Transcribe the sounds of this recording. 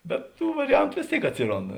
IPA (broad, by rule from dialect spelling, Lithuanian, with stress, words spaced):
bʲɛt ˈtuː ʋɐrʲɪˈjɛntʊ ˈʋʲeːs ˌtʲeːɪk ˈɑːtʲsʲɪˌroːnt